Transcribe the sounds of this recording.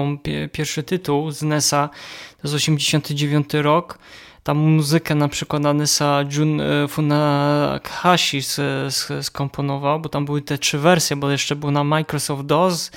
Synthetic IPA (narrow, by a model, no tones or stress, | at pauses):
mʲpʲjɛɾʂɘt̪ɘt̪uwzanɛsat̪ɔjɛzɔɕɛmd͡ʑeɕɔnt̪ɘd͡ʑevʲjɔnt̪ɘɾɔk | t̪amːuzɘkɛnapʂɘkwat̪nanɛsad͡ʒunfuna̰kxaɕissskɔmpʰɔnɔvawbɔt̪ambɘwɘt̪ɛtʂɘvɛɾsʲjɛbɔjɛʂt͡ʂɛbɘwnamajkɾɔsɔft̪̚d̪ɔz